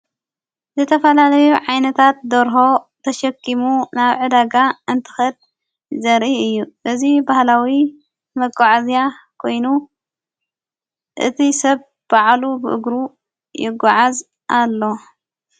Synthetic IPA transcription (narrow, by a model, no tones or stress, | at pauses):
zɨt̪ʰɐfɐlalɐjuʕajnɐt̪ʰat̪̚d̪ɐɾɦo̞t̪ʰɐʃɐkʰːimunaβʕɨd̪aɡaɨnt̪ʰɨ̥xɐd̪̚ | zɐɾʔiɨjːuʔɨzibahlawi | mɐɡaʕazijakʰo̞jnu | ʔɨt̪ʰisɐβ | b̥aʕlubɨʔɨ̰ɡɾu | jɪɡːɔʕaz | ʔalːo̞